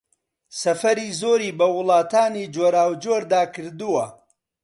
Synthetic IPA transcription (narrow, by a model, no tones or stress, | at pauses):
sɐfɐɾiːzoːɾiːbɐwʊlˠɑːt̪aːniːd͡ʒoːɾaːwd͡ʒoːɾd̪aːkʰɨɾd̪uwɐ